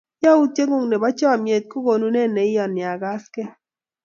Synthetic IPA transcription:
jɔ˦u˦t͡ʃe˦ŋʊ˦˨ŋne˨ba˦t͡ʃɔ˦˨mje˨t̪̚ko˦ɡo˨nu˦ne˦˨ne˨ɪ˦jɔ˨nːɪ˨a˨ɡa˦skɛ˦

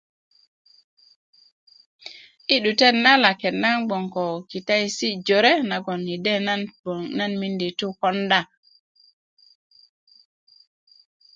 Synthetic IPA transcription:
i˦ɗu˨te˦tna˦la˨ke˨tna˦ŋɡ͡bo˨ŋko˨ki˨ta˦jsi˦d͡ʒo˨ɾe˦na˨ɡo˨ni˨de˦na˦n˨na˦nmi˦ndi˨tu˦ko˦nda˦

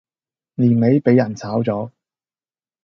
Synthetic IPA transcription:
liː˨˩nme˨˥jpe˨˥jːɐ˨˩nt͡sʰaː˨˥wt͡sɔː˨˥

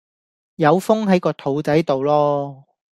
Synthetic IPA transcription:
jɐ˨˧wfʊ˥ŋɦɐ˨˥jkɔː˧t̪ʰo˨˧wt͡sɐ˨˥jt̪o˨wlɔː˥

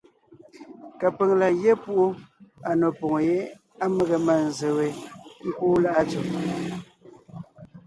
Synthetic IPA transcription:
ka˨pe˨ŋla˨je˦pu˦ʔu˦a˨no˨pɔ˨ŋo˨je˦ | a˦me˦ɣe˨ma˨n̩˨ze˨we˨ŋ̩˦kuː˦la˦ʔa˦t͡su˨

